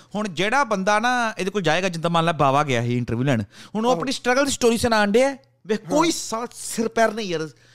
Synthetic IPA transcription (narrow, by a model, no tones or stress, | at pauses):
hʊɳd͡ʒeːɽaːbənd̪aːnãːeːd̪eːkoːld͡ʒaːeːɡaːd͡ʒɪnt̪aːmãːnlaːbaːʋaːɡɪa̰ːɦeːɪɳʈəɾʋjuːlɛːɳɦʊñoəpɳiːsʈɾəɡəld̪iːsʈoːɾiːsənãːɳɖeːɛː | ʋeːkoːiːsasɪɾpɛːɾnəĩːəɾ